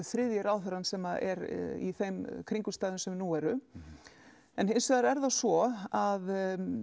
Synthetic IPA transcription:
θɾɪðjɪɾaːwθɛɾansɛmaðɛ̰ɾḭθejmkʰɾiŋkʏst̪aːðʏnsɛmnuɛɾʏ | ɛnɦensɛðaɾɛɾðasvɔað

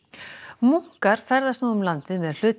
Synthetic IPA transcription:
muŋ̥kaɾ̥fɛɾðast̪noːwʏmlant̪ɪmɛðl̥ʏːt̪

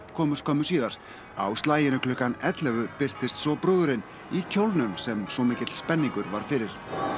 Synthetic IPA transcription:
kʰɔːmʏskʰɔːmʏsiːðaɾ̥ | a̰wst̪laːjɪnʏklʏːhkanɛt̪lɛvʏpɪr̥t̪ɪst̪sɔpɾʏːðʏɾɪn | icʰowlnʏmsɛmsvɔmɪːcɪt̪l̥spɛnːiŋkʏɾvaɾ̥fɪɾɪɾ̥

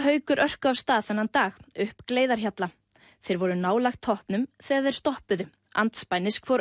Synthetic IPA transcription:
ɦœːɥkʏɾʔœr̥kʏavst̪aːðθanːant̪aːxʏhpkleːjðaɾ̥çjat̪la | θejɾvɔɾʏnaːwlaxt̪ʰːɔhpnʏmθɛɣaðɛɾ̥st̪ɔhpʏðʏ | a̰nt̪spajnɪskfɔɾ

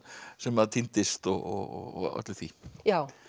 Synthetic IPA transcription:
sɛmaðt̪ʰint̪ɪst̪ɔɣɔ̰œ̰t̪lɪθvijaw

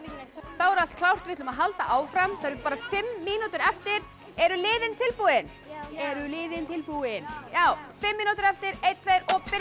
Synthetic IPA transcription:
θawɛɾalt̪kʰlawr̥t̪vɪt̪lʏmaðɦalt̪aʔaːwfɾamθaðɾɾpaːɾafɪmːiːnut̪ʏɾɛft̪ɪɾ | ɛɾʏlɪːðɪnt̪ʰɪlpuɪn | ɛɾʏlɪːðɪnt̪ʰɪlpuɪnjaːwfɪmːiːnut̪ʏɾɛft̪ɪɾejt̪̚t̪ʰvejɾɔɣpɪ

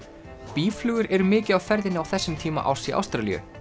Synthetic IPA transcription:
piːflʏːɣʏɾɛɾʏmɪːcɪðawfɛɾðɪnɪawθɛsːɪmt̪ʰiːma̰ʔa̰wsiʔa̰wst̪ɾalḭʏ̰

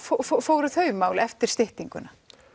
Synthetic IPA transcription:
fofofoːwɾʏθœːɥmaːwlɛft̪ɪɾ̥st̪ɪht̪iŋkʏna

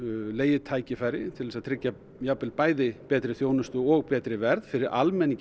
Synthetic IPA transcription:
leːjɪt̪ʰaːjcɪfaːjɾɪt̪ʰɪlɛsaðt̪ʰɾɪcːa | japːɪlpaːjðɪpɛːt̪ɾɪθjoːwnʏst̪ʏɔɣpɛːt̪ɾɪvɛɾð̥fɪɾɪɾʔa̰lmɛniɲc

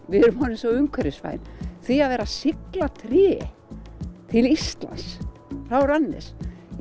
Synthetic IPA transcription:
vɪðɛɾʏmhɔnɪmsɔʏŋkʰvɛɾɪsfa̰jnθiaðvɛːɾasɪklat̪ʰɾɛ | t̪ʰɪlist̪la̰ns | rawɾanːɪ̰s

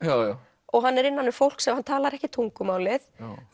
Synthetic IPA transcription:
ja | ɔɣɦanːɛɾɪnːanːʏfowl̥ksɛmhant̪ʰaːlaɾɛhcɪt̪ʰuŋkʏmaːwlɪθ

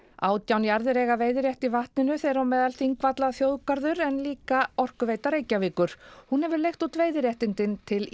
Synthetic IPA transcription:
aːwt̪jawnjaɾðɪɾɛːɣaveːjðɪɾjɛht̪ivaht̪nɪnʏθejɾawmɛːðalθiŋkvat̪laθjowðkaɾðʏɾɛnliːkaɔr̥kʏveːjt̪aɾeːjcavɪːkʏɾ̥hunhɛvɪɾlejxt̪ut̪veːjðɪɾjɛht̪ɪnt̪ɪnt̪ʰɪl

